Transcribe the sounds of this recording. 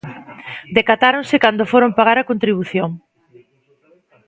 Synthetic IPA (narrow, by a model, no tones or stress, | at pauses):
d̪ekat̪aɾonsɪkand̪ofoɾompaɣ̞aɾakont̪ɾiβ̞uθjoŋ